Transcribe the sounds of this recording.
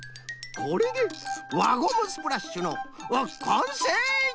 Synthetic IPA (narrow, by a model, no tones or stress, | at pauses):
kʰoɾed̪eβaɡomɯsɨ̥pɯɾaɕːɨnoβakʰãɰ̃se